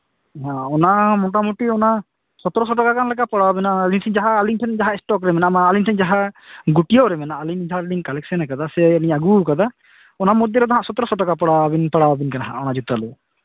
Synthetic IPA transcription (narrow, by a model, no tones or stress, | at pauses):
ɦãɔnamɔʈ̬amuʈiɔna | sɔt̪ɔɾɔsɔʈakakanlɛkapəɽawbɛnaːliŋʈʰɛnd͡ʒaɦaːliŋʈʰɛnd͡ʒaɦaɛsʈɔkɾɛmɛnamaːlinʈʰɛɲd͡ʒaɦaɡuʈijoɾɛmɛnaalind͡ʒaɦaɾliŋkalɛksɛnɛkad̪asɛliɲaɡukad̪a | ɔnamɔd̪jɔɾɔd̪aɦãʔsɔt̪ɔɾɔsɔʈakapaɽabinpəɽabinkanaɦã̰ɔnad͡ʒut̪alu